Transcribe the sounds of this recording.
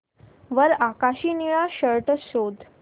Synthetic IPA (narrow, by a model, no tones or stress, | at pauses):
ʋəɾakaɕiːniɭaɕəɾʈəsod̪